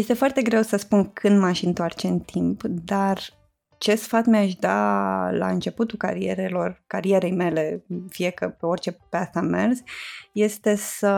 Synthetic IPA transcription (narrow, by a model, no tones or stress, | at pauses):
je̞st̪e̞foart̪e̞ɡɾe̞wsəspunkʰɨnd̪maʃɨnt̪oart͡ʃe̞ɨnt̪ʰimpd̪ar | t͡ʃe̞sfat̪meaʃd̪ala̰ɨnt͡ʃe̞put̪ulka̰ɾie̞̰ɾelo̞rkaɾije̞ɾe̞jme̞le̞fijekəpeo̞rt͡ʃe̞peast̪ame̞rzje̞st̪e̞sə